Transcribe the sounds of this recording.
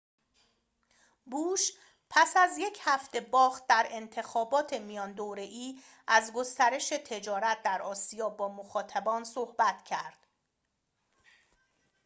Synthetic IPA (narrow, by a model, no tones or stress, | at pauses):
buːʃ | pʰæsæzje̞cʰhæft̪e̞bɒːxt̪̚d̪æɾe̞nt̪ʰe̞xɒːbɒːt̪ʰe̞mijɒːnd̪oːɾe̞ʔiː | ʔæzɡo̞st̪æɾe̞ʃe̞t̪ʰe̞d͡ʒɒːɾæt̪̚d̪æɾɒːsijɒːbɒːmoxɒːt̪ʰæbɒːnsohbæt̪ʰcʰæɾd̪̥